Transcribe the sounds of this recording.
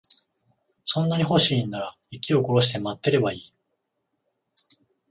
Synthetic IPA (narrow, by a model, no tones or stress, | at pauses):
sõ̞nːaɲ̟iɦo̞ɕiːnːaɾa | ikʲio̞ko̞ɾo̞ɕ̬i̥t̪e̞mat̪ːe̞ɾe̞baiː